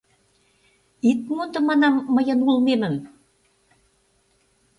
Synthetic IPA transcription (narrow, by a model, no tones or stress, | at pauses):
it̪̚mund̪ɤ̆mɑnɑmːəjɤ̆nulmemə̆m